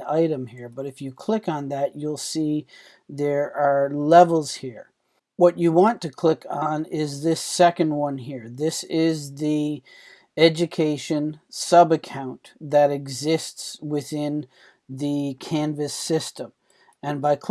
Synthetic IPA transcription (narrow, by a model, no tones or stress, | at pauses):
aɪɾɨ̃mhiɹbʌɾɨfjɨkʰl̥ɪkn̩ðɨt͡ʃulˠsi | ðə˞ə˞lɛvl̩ˠz̥hiɹ | wʌt͡ʃɨwɑ̃ntʰɨkʰl̥ɪkn̩ɪzðɪsɛkɨ̃nd̚wʌ̃nɦiɹðɪsɪzði | ɛd͡ʒɨkʰeɪʃɨ̃nsʌbɨkʰãʊ̃nðɨɾɨɡzɪstswɪθɪ̃n | ðɨkʰæ̃nvɨsɪstə̃m | ɨ̃nbaɪkʰ